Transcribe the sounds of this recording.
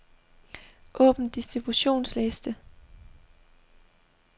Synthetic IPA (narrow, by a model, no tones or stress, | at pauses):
ʔɔ̰̽ːb̥n̩d̥isd̥ʁib̥uɕo̝̰ːnslesd̥ə